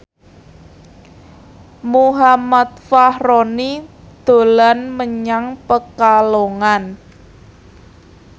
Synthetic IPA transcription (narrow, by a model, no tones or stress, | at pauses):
muɦamat̪̚fahroni | d̪̥o̤lanməɲaŋpəkaloŋan